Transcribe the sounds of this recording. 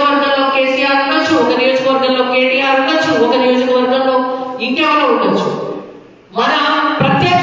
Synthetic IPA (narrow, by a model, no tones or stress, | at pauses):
ʋəɾd̪ʱɐlːokesijaɾuʈɐt͡ʃʰuokɐnijoːd͡ʒkɐʋɐɾd̪ʱɐlːokeːsijaɾuʈɐt͡ʃʰuokɐnijoːd͡ʒkɐʋɐɾd̪ʱɐnːoiʈjaʋɐlouɳɐt͡ʃʰṵ | mɐnapɾɐt̪je